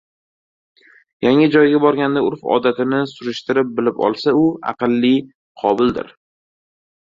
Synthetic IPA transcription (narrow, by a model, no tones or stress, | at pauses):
jaŋɪd͡ʒɒjɡʲabɒɾɡʲand̪aʊɾfɒ̰d̪at̪ʰɪnɪsʊɾɪʃt̪ɪɾɪp̚bɪlɪpɒ̰lˠsaʊɑ̰qɨlˠːi | qʰɒbɪld̪ɪ̰ɾ